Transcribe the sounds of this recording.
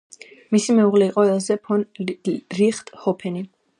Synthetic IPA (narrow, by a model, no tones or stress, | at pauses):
misimɛuʁlɛiqʼɔɛlˠzɛpʰɔnɾiχt̪ʰʼhɔpʰɛni